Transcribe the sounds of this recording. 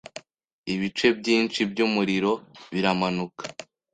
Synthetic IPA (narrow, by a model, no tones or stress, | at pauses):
iβit͡ʃe̞bɟiːnt͡ʃibɟumuɾiɾo̞βiɾamanukḁ